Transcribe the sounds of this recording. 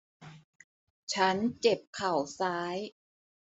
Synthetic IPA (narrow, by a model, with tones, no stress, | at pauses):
t͡ɕʰa˦˥nt͡ɕe˨˩p̚kʰa˨˩wsaː˦˥j